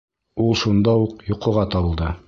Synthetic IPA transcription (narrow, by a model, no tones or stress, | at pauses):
ulˠʃund̪ɑuqjuqɤ̆ʁɑt̪ɒβɤ̆lˠd̪ɤ